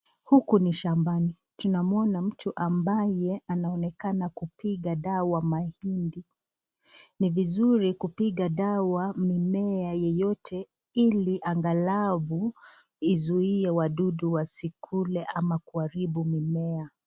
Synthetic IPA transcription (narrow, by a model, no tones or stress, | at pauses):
hukuniʃambani | tunamuɔnam̩tʰuʔambajɛanaɔnɛkanakupiɠaɗawamahindi | nivizuɾikupiɠaɗawamimɛajɛjɔtʰɛ | iliʔaŋɡalavu | izuiɛwaɗuɗuwasikʰulɛʔamakuaɾibumimɛa